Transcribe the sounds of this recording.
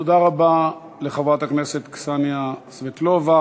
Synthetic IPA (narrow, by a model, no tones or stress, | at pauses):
todaʁaba | le̞χavʁatakne̞se̞t̪ksanjasvetlova